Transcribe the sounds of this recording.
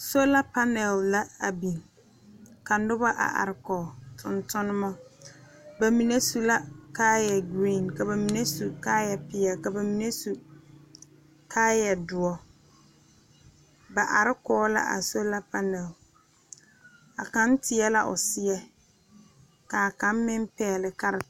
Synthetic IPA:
so˦la˦pa˦nɛ˨lːa˦a˨bi˨ŋ | ka˨n˦dʊ˦ba˦ʔa̰˨ʔa̰˨ɾɪ˦kɔː˨tʰʊ˨ntʊ˦nʊ˦mɔ˦ | ba˨mi˨ne˦su˨la˦kaː˦jɛ˨ɡɾiː˦˨nka˨ba˨mi˨ne˦su˨kaː˦jɛ˨pɪ˦ɛ˨ka˨ba˨mi˨ne˦su˨ | kʰaː˦jɛ˨dʊ˨ɔ˨˦ | ba˨ʔa˨ɾɪ˦kɔː˦la̰˦ʔa̰˨so˦la˦pa˦na˨ʊ˨ | a̰˨ka˦n˦tɪ˨˦ɛ˦la˦ʔʊ̰˨sɪ˦ɛ˦ | ka˨ka˨˦m˦mɪ˦mpɛ˨lɪ˨ka˦ɾɪ˨

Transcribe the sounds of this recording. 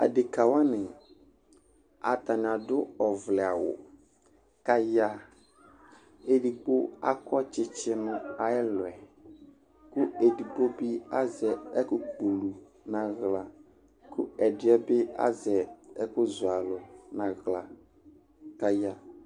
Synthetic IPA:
a̰˨dɪ˨ka˨wa˦nɪ̃˨ | a̰˨t̪a˨ɲ˨ã˨dʊ˦ɔ˨vlɛ˨a˨wʊ̰˨ | ka˦ja˦ | e˨di˨ɡ͡bo˦a̰˦kʰɔ˦t͡ʃɪ˦t͡ʃɪ˦nʊ̃˦a˨ɛ˦lʊ˨ɛ˨ | kʊ˦e˨di˨ɡ͡bo˦bɪ˦a˦zɛ˨ɛ˦kʊ˦ɡ͡bo˨lu˨ | nã˨ɣla˨ | kʰʊ̰˦ɛ˨dɪ˦ɛ˦bɪ˦a̰˦zɛ˨ɛ˦kʊ˦zʊ˨a˨lʊ˨nã˨ɣla˨ | ka˦ja˦

